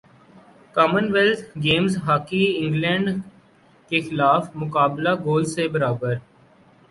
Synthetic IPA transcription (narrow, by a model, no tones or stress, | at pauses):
kaːmənʋɛlt̪ʰɡeːmzɦaːkiɪ̃ŋɡlɛ̃ːɳɖ | kexɪlaːfmʊkaːblaɡoːlsebəɾaːbəɾ